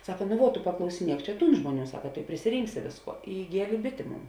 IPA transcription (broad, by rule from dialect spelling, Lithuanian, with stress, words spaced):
ˈsɑːkɐ ˈnʊ ʋuɔ tʊ pɐklˠɐʊsʲɪˈnʲiɛk ˈt͡ʃʲɛ ˈtuːn ˈʒmuɔˌnʲuː ˈsɑːkɐ tʊ ɪ pʲrʲɪsʲɪˈrʲɪŋksʲɪ ˈʋʲeːsˌkuɔ ɪ ɪˈɡʲiɛlʲeː ˈbʲɪtʲeː ˈmoːn